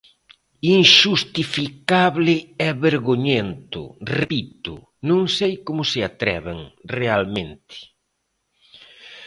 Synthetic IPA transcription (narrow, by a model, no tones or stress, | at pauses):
iŋʃust̪ifikaβlɪɛβeɾɣoɲent̪ʊ̰repit̪ʊ̰ | nõŋsejkomʊsɪat̪ɾɛ̰βeŋrealmẽnt̪ɪ̥